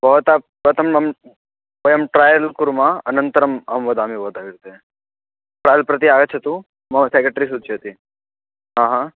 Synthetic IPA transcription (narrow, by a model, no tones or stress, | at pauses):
bʱɔːt̪a | ʋət̪ɐmɐm | əjəmʈɾaːjəlkuɾmãɐnənt̪əɾəmɐmʋəd̪amibɔːt̪aːʋiɾt̪eẽ | ʈɾaːjəlpɾɐt̪iaːɡət͡ʃʰɐt̪ũ | mɐ̃sekɾeʈɾis̬ud̪ʱt͡ʃʰiɦɐt̪i | ɦãːɦã